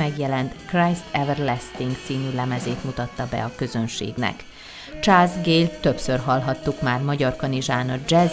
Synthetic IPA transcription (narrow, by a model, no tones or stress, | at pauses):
ɛɡjɛlɛnt̪krajst̪ɛvɛrlɛst̪iŋksiːnylɛmɛzeːt̪mut̪ɒt̪ːɒbɛ̰ɒkø̞zø̞nʃḛːɡnɛ̰k | t͡ʃaːlzɡeːlt̪ø̞psørɦɒlɦɒt̪ːukmaːrmɒɟɒrkɒniʒaːnɒd͡ʒɛz